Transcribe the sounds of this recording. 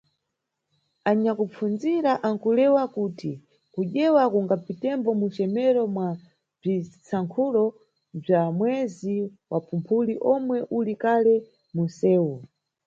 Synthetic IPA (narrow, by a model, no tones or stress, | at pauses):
aɲakup͡fund͡ziɾaʔaŋkulɛwakuːti | kuʄɛwakuŋɡapitɛmbɔmut͡ʃɛmɛɾɔmwa | b͡ʐit͡saŋkʰulɔ | b͡ʐamwɛziwapʰumpʰuliʔɔmwɛʔulikalɛ | munsɛːu